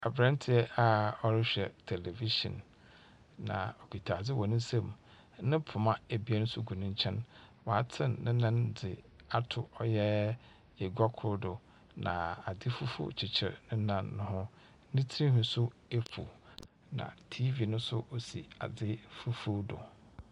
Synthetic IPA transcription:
a˨bɾã˦n˦tʰɪ˨ɛ˦a˨ɔ˦ɾɪ˦ɕᶣɛ˨tʰe˨le˨vi˦ʃɔ̰̃˨nː | ã̰˨ɔ˨kʰi˨tʰa˨d͡zɪ˦wɔ˨nɪ̃˦sɛ̃˦m˨ | nɪ̃˦pʰʊ˨mã˦æ˨bi˨˦a˦nʊ̃˦sʊ˦ɡu˨nʊ̃˦ɲ˦t͡ɕʰɛ̃˦nwa˨a˨tʰɪ̃˦˨nːɪ̃˦nã˦nd͡zɪ˨ | a˨tʰʊ˨ɔ˨jɛ˦ | e˨ɡʷa˦kʰʊ˨ɾdʊ˨ | nã̰˨a˨dɪ˦fu˦fṵ˦t͡ɕʰɪ˨t͡ɕʰɪ˨ɾnʊ̃˦nã˦nːʊ̃˦hʊ̃˦ | nɪ̃˦tʰi˦ĩ˦ɦʊ̃˨sʊ˦e˦fṵ˨ | nã̰˨tʰi˦vi˨nʊ̃˦sʊ̰˦ʔo˨sḭ˨a̰˨dɪ˦fu˦fu˦dʊ̰˨

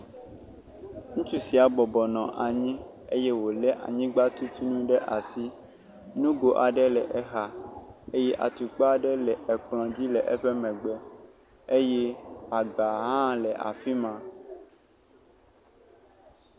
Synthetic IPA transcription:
ŋũ˦t͡ʃu˦si˨a˨bɔ˨bɔ˨nɔ̃˨ʔa˨ɲĩ˦ | ḛ˦jɛ˦wo˨lɛ˦ʔa̰˨ɲĩ˦ɡ͡ba˦t̪u˦t̪u˦nũ˦ɖɛ˦ʔa˨si˦ | nũ˦ɡo˨ʔa˨ɖɛ˦lɛ˨ʔɛ˨xa˨e˦jɛ˦ʔa̰˨t̪u˨k͡pa˨ɖɛ˦lɛ˨ʔɛ˨k͡plɔ̃˨d͡ʑi˦lɛ˨ʔɛ˦ɸɛ˦mɛ̃˨ɡ͡bɛ˦ | e˦jɛ˦a˨ɡa˨ɦã˦lɛ˨ʔa̰˨fi˦mã˨

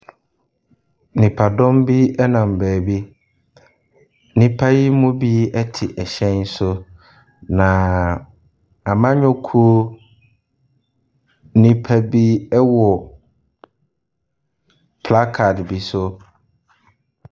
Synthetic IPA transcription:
nĩ˨pʰa˨dɔ̃˦mbi˦ɛ˦nã˨m˨bɛː˨bi˦ | nĩ˦pʰa˦ji˦mʊ̃˦bi˦ɛ˦tʰɪ˨ʔɛ˨ɕɛ̃˦n˦sʊ˦ | nã˨ | a˨mã˦ɲᶣʊ̃˦kʰu˦o˦ | nĩ˨pʰa˨bi˦ɛ˦wɔ˨ | pʰla˦kʰa˨tbi˨sʊ˦

